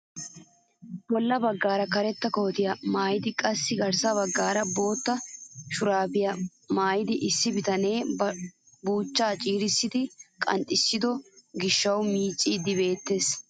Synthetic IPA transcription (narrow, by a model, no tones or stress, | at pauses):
bɔlːɐbɐɡːaːɾɐkɐɾɛt̪ːɐko̞ːt̪ɪjɐmaːjɪd̪ɪkʼɐsːɪɡɐɾsɐbɐɡːaːɾɐbo̞ːt̪ːɐʃʊɾaːbɪjɐ | maːjɪd̪ɪʔɪsːɪbɪt̪ɐne̞ː | buːt͡ʃːaːt͡ʃʼiːɾɪsːɪd̪ɪkʼɐ̰nt̪ʼːɪsːɪd̪ɔɡɪʃːɐwmiːt͡ʃʼːiːd̪ɪbe̞ːt̪ːe̞ːs